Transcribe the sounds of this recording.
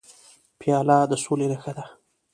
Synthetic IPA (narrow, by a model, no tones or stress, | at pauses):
pjɑlad̪əsolenaxad̪a